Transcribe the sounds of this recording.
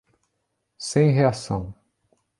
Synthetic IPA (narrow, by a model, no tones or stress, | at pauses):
sẽj̃ɦeasɐ̰̃w̃